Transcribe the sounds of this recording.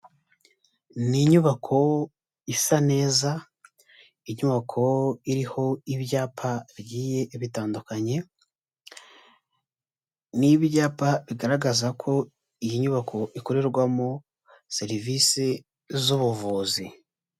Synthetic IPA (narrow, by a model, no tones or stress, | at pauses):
niɲuβakʰo̞ | isane̞ːza | iɲuβakʰo̞iɾiho̞iβjaːpʰaɾɟiːje̞ʔβitaːndukaɲe̞ | niβjaːpaβiɡaɾaɡazakʰo̞ | ijiɲuβakʰo̞ʔiko̞ɾe̞ɾɡwamo | se̞ɾivise | zuβuvuːzi